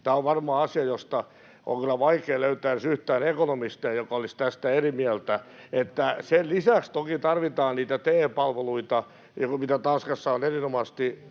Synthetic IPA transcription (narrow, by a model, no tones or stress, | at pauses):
t̪æːoʋʋɑrmɑːɑsiɑjost̪ɑ | ʔo̰ŋkylːˑæʋɑikeːløyt̪æːnsyht̪æːnekonomist̪eːjjokɑolist̪æst̪æerimiælt̪æet̪ːæsellisækst̪okit̪ɑrʋit̪ɑːnniːt̪æt̪eːpɑlʋeluit̪ɑ | mit̪æt̪ɑnskɑsːɑonerinomɑst̪i